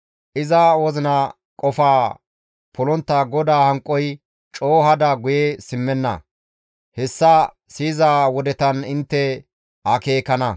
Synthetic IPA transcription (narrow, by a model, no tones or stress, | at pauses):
ʔɪzɐwɔzɪnɐ | kʼɔfaː | pɔlɔnt̪ːaːɡɔd̪aːhɐŋkʼːɔj | t͡ʃʼo̞ːɦɐd̪ɐɡʊjesɪmːɛnːɐ̰ | hɛsːɐ | siːzaːwɔd̪ɛt̪ɐnɪnt̪ːɛ | hɐke̞ːkɐnɐ